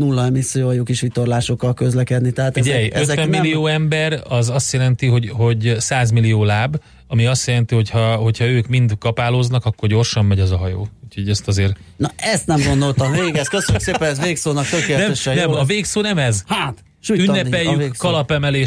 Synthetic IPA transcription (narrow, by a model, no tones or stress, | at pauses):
nulːɒɛmisːijojukiʃʋit̪orlaːʃo̞kːɒlkø̞zlɛkɛd̪nit̪ɛɦatfɟɛjøt̪vɛmːillːijoːɛmbɛɾɒzɒst̪jɛlɛnt̪iɦo̞ɟɦo̞ɟsaːzmilijoːlaːb | ɒmiɒst̪jɛlɛnt̪iho̞chɒho̞cʰhɒøːkmind̪kɒpaːloːznɒkɒkːorɟo̞rʃɒmːɛɟɒzɒɦɒjo̰ːuːcho̞ɟɛst̪ɒzeːrnɒʔɛst̪nɛmɡo̞nd̪olt̪ɒmveːɡɛskøsønykseːpɛnɛzveːksoːnɒk̚t̪økeːlnɛɛʃɛnɛmɒveːksoːnɛmɛzhaːt̪ | ʃujnːɛɛjːykkɒlɒpɛmɛleːʃ